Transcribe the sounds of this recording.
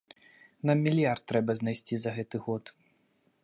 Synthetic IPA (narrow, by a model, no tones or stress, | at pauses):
namːʲilʲjart̪̚ːɾɛbɐznajsʲt͡sʲizɐɣɛt̪ɨɣɔt̪